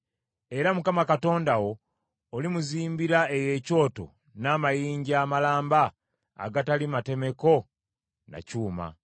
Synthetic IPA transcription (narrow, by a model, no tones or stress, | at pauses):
e̞ɾamukamakato̞ːndawo̞ː | limuziːmbiɾaeje̞ːco̞ːto̞̰ | namajiːɲɟiaːmalaːmba̰ː | ɡatalimate̞me̞ko̞ | na̰cuːma̰